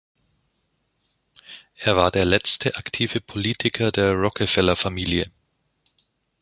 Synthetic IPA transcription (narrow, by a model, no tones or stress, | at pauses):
ʔeːɐvaːɐdeːɐlɛt͡stʰəʔaktʰiːvəpʰoliːtʰɪkʰɐdeːɐʁɔkʰəfɛlɐfamiːljə